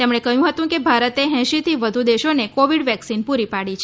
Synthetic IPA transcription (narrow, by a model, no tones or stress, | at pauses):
t̪emɳ̃ekəɦjũɦət̪ũkebʱaɾət̪eɦɛ̃ʃit̪ʰiʋəd̪ʱud̪eʃonekoʋiɽʋɛksinpuɾipaɽit͡ʃʰ